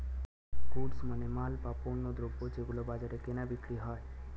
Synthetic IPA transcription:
kuʈsmənemaːlpaponːod̪ɾobod͡ʒekulobad͡ʒaɾekenabikʰɭiɦɔj

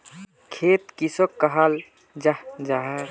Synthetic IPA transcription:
kʰet̪kisokːəɦal | d͡ʒad͡ʒaɦeɾ

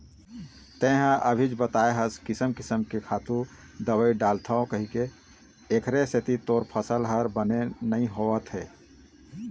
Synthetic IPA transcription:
t̪ẽɦə̃ʔəbʱid͡ʒbət̪aːeɦəskɪsəmkɪsəmkekʰaːt̪ũ | d̪əwəiɖaːlt̪ʰaõkəɦike | ekʰɾeset̪it̪oːɾpʰəsəlɦəɾbənenəɦĩɦoət̪ɦɛː

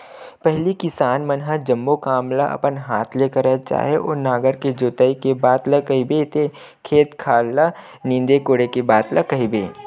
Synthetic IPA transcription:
pɛɦlikɪsaːnmɐnɦad͡ʒɐ̃mːokaːmlaʔɐ̰pənɦaːt̪ʰleːkəɾɛt͡ʃa̰ːɦeʔoːɾnaːɡəɾked͡ʒoːt̪əikebaːt̪ləkɐɦibet̪ʰe | kʰeːt̪kʰaːlːa | nĩːnd̪ekoːɽekebaːt̪lɐkɐɦibḛː

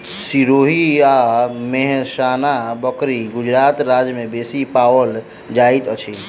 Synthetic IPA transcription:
siɾoɦiameɦsanabəkɾiɡud͡ʒɾat̪ɾad͡ʒmebesipawəl | d͡ʒait̪ət͡ʃʰi

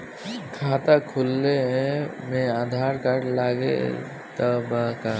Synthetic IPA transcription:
kʰaːt̪akʰʊlːeɦɛ̃mẽaːd̪ʱaːɾkəʈlaːɡḛ | t̪əbaka

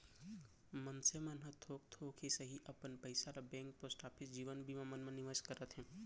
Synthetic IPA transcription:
mənsemənɦət̪ʰoːk̚t̪ʰoːkʰɦisəɦiʔəpənpəɪsaɾabɛ̃ːŋk̚posʈaːpʰisd͡ʒiːʋənbʱimɐmənmənɪʋəskəɾət̪ɦɛ̃ː

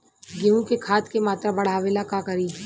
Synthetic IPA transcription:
ɡeũkekʰaːt̪kemaːt̪ɾabɐɽ̤aːʋelakakɐɾiː

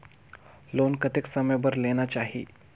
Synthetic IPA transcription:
lonkət̪eksəməjbəɾlenat͡ɕaɦḭ

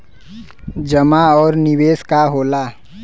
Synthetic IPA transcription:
d͡ʒəmaɔːɾnɪweːskaɦoːlaː

